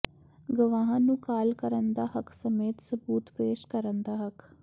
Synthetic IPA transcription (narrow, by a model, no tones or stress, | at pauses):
ɡʊʋaːɦãːnũːkaːlkəɾənd̪aːɦəksəmeːt̪səbuːt̪peːʃkəɾənd̪aːɦək